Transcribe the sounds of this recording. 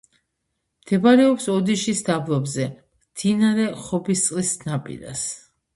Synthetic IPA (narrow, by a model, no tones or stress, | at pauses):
mt̪ʰɛbaɾɛɔpsɔd̪iʃisd̪ablˠɔbzɛmmd̪̥ʰinaɾɛχɔbist̪sʼlisnapʼḭɾa̰s